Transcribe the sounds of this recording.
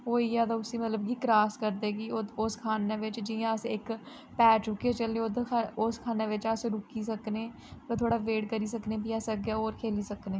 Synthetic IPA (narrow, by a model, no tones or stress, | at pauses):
oːijaːd̪aʊsimət̪ləb̚kiːkɾaːskəɾd̪eːɡiːʊskʰaːnẽːʋɪt͡ʃd͡ʒĩsɪk | pɛːʈʊket͡ʃəlẽʊd̪ʰʊskʰaːneʋɪt͡ʃaːsɾʊkiːsəkneː | ot̪ʰoːɽaʋeːʈkəɾiːsəknẽpijaːsək̚ɡaoːɾkʰeːliːsəknẽː